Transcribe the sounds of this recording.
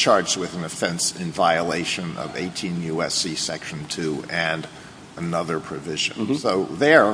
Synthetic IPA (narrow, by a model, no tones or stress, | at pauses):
t͡ʃʰɑɹd͡ʒz̚wɨðn̩ɨfɛ̃nsɪ̰̃nvaɪəleɪʃɨ̃nʔʌ̰vḛɪtʰĩnjʉɛsisɛkʃɨ̃n̩tʰʉɨ̃n | ənʌðə˞pʰɹ̥ɨvɪʒɨ̰̃nsoʊðə˞